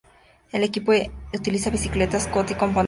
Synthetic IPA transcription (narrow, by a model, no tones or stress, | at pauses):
elekipout̪ilisaβisiklet̪askot̪iko̞mpon